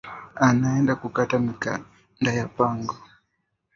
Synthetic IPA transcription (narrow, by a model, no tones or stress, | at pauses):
anaɛndakukatamika̰ | ndajapaŋɡɔ